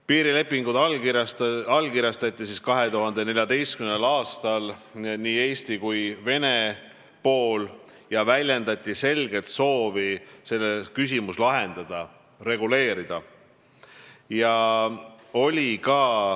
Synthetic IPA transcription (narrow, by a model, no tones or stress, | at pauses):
piːɾile̞pˑːiŋɡud̪ | ɑlkiɾjɑst̪ɑt̪ʲːˑisiskɑɦe̞t̪uɦɑnd̪e̞ne̞lʲjɑd̪e̞jskymnelɑːst̪ɑlniːe̞ːst̪ikujve̞ne̞ | po̞ːl | jɑvælʲjend̪ɑt̪ʲˑːise̞lɡ̥e̞t̪so̞ːvise̞lːekys̬imuslɑɦe̞nd̪̥ɑd̪̥ɑ | ɾe̞ɡ̥ule̞ːɾid̪̥ɑ | jɑ | o̞lʲikɑː